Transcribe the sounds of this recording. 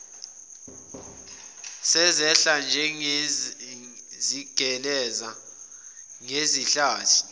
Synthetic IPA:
sɛzɛɬand͡ʒʱɛ | ziɡ̥ʱɛlɛza | ŋeziɬaːtʰi̥

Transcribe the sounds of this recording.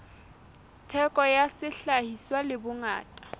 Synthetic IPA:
tʰɛkʼɔjasɪɬahiswalɪbʊŋa̰ːtʼḁ

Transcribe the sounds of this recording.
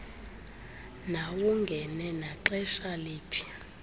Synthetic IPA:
nawuŋɡʱɛnɛnaǃɛʃaleːpʰi̥

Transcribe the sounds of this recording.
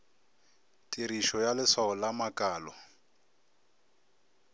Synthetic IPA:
tʼiɾiʃɔjalɪswaɔlamakʼaːlɔ

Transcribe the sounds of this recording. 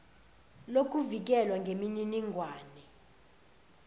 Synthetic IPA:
lok̬ʼuvik̬ɛlwaŋɡʱemininiŋɡʱwaːnɛ

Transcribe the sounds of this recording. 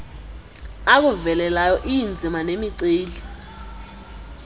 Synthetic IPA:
ak̬uvɛlɛlajɔʔijind͡zʱimanemiǀeːli

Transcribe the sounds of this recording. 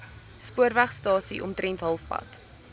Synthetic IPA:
spuərvæχstɑːsiʔɔ̰mtɾɛntɦɐlˠfpɐ̰t

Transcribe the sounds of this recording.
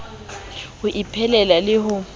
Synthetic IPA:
hʊʔipʰɛlɛlalɪɦʊ

